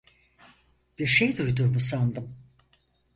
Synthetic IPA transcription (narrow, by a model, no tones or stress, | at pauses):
b̥iɾʃejd̪ujd̪uɾbusand̪ɯm